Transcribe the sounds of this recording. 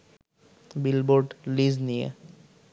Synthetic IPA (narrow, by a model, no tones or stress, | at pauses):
bilboɾɖlid͡ʑnijḛ